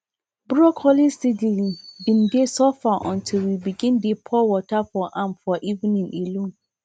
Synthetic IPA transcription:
biɔkhɔlisidibĩndesɔfaʔɔ̰̃ntʰilwibiɡĩndepʰɔwɔtafɔʔãmfɔʔiṽnĩnelõn

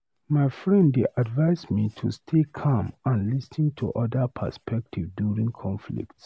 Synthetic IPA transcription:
maɪfɹɛ̃ndeʔadvaɪsmitʰustʰekʰãmãnlisĩntʰṵʔɔdəpʰə̰spʰɛk̚tʰivdjuɹĩŋkʰɔ̃nflḭkts

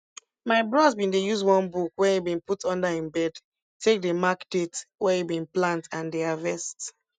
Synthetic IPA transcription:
maɪbɹɔzbĩntujuzwɔ̃nbukwɛhibĩnputɔ̃ndahĩmbɛd | tʰːek̚demakdetwɛibĩnplãntãndeavɛst

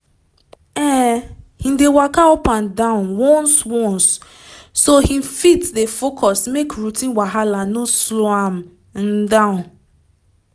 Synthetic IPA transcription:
ɛ̃hĩdewakaopãndãʊ̃nwɔ̃nswɔ̃nsː | ohĩfitdefokʰɔsmekɹutĩnwaɦalãnõsloãm | n̩dãʊ̃n

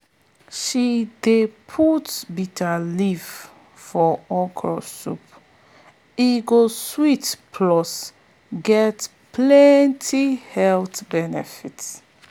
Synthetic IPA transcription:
ʃidepʰutsbitʰəliv | fɔɔkʰɔ̰sṵp | iɡoswitpʰlɔs | ɡɛt | pʰlɛntʰihɛltbɛnɛ̰fits

